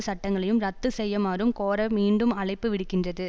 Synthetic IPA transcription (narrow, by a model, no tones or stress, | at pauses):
ɯsɐʈːɐŋɡɐɭɐjɯmɾɐt̪ːɯsɛjːɐmaːɾɯmkoːɾɐmiːɳɖɯmɐɭɐɪpːɯʋɪɽɯkːɪndrɐðɯ